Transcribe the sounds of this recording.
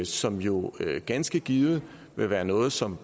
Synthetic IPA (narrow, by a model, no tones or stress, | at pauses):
sɒ̽mjo̝ɡ̥ænsɡ̥əɡ̥iːð̩ˠ | ʋe̝ʋæːɐnɔ̽ːð̞̩ˠsɒ̽m